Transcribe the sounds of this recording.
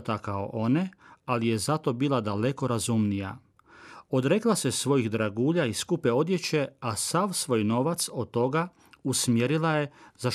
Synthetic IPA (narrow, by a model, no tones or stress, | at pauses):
t̪akao̰ʔo̞nealije̞zat̪o̞biːlˠad̪aleko̞ɾazumnija̰ | o̞d̪ɾe̞klase̞sʋo̞jixd̪ɾaɡuːʎaiskupeo̞d̪je̞t͡ɕe̞asaʋsʋo̞jno̞ʋat̪so̞d̪̚t̪ːo̞ɡa | usmje̞ɾilaje̞zaʃ